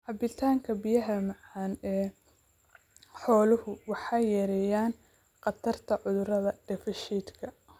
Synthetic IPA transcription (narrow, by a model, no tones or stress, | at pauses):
ħɑbɪt̪ʰaːŋkʰɐbijɐɦɐmɑʕɑːnɛː | ħɔːlʊhʊwɑħɑːjɛɾɛjaːn | qɑt̪ʰɐrt̪ʰɐʕʊðʊɾɐðɐd̪̥ɛfɪʃiːd̪kʰɐ